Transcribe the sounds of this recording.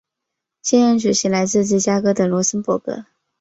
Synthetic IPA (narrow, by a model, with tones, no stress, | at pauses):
ɕɛ˥nɻə˧˥nʈ͡ʂu˨˩ɕi˧˥ŋla˧˥ɪt͡sɹ̩˥˧t͡sɻ̩˥˩t͡ɕja˥kɤ˥t̪ə˨˩lwɔ˧˥sə˥npwɔ̰˥˩kɤ̰˧˥